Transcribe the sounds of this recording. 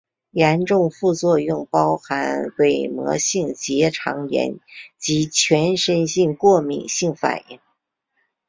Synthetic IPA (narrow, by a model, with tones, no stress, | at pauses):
jɛ˧˥nʈ͡ʂʊ˥˧ŋfu˥˧t͡swɔ˥˧jʊ˥˩ŋpɑ˥ʊxa˧˥nwe˥˩ɪmɔ̰˧˥ɕi˥˩ŋt͡ɕjɛ˧˥ʈ͡ʂʰɑ˧˥ŋjɛ̰˧˥nt͡ɕi˧˥t͡ɕʰɥɛ˧˥nʂə˥nɕi˥˧ŋkwɔ˥˩mḭ˨˩ŋɕi˥˩ŋfa̰˨˩njḭ˧˥˩ŋ